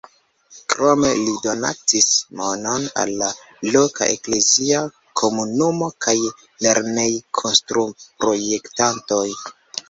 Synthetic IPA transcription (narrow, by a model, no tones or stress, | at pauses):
kɾo̞me̞lido̞na̰tismo̞no̞na̰lːa | loka̰ʔḛkle̞zia | kʰo̞munumo̞kaj | le̞ɾne̞jkʰo̞nstɾupɾo̞je̞ktanto̞j